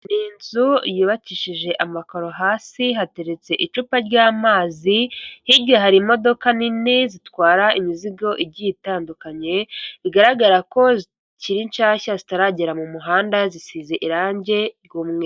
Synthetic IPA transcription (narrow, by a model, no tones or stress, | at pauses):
niːnzujuβaciːʃiʒe̞ʔamako̞ɾo̞ɦaːsiɦate̞ɾet͡se̞ʔit͡ʃuːpaɾɟaːmaːzihiɾɟaɦaɾimo̞do̞kaninezitwaːɾaʔimiziɡo̞ʔiɾɟitaːndukaɲe̞iɡaɾaɡaɾako̞zi | ciɾint͡ʃaːçazitaɾaɟeɾamumuɦaːndazisizeʔiɾaːɲɟe̞ɡumŋe̞